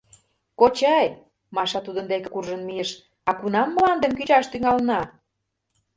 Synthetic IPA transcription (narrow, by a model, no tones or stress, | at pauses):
kot͡ɕɑj | mɑʃɑt̪ud̪ənd̪ekekurʒənmijəʃ | ɑkunɑmːəlɑnd̪əmkyt͡ɕɑʃt̪yŋɑlnɑ